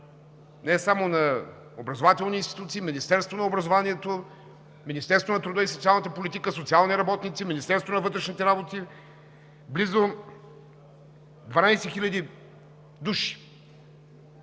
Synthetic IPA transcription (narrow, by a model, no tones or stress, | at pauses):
nɛsamonɐ | obɾɐzovat̪ɛlˠniːnst̪i̥t̪ut̪siːminist̪ɛɾst̪vonɐobɾɐzovaniɛt̪o | minist̪ɛɾst̪vonɐt̪ɾud̪əisot̪sialˠnət̪əpolʲit̪ikəsot̪sialˠniɾɐbɔt̪nit̪siminist̪ɛɾst̪vonɐvɤt̪ɾɛʃnit̪ɛɾabot̪i | blizo | d̪vɐnajsɛxilʲɐd̪i | d̪uʃi̥